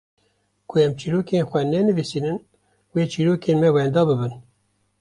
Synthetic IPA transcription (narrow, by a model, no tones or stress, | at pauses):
kʰʊɛmt͡ʃiːɾoːkeːnxʷɛnɛnɨviːsiːnɨn | weːt͡ʃʰiːɾoːkeːnmɛwɛnd̪ɑːbɨbɨn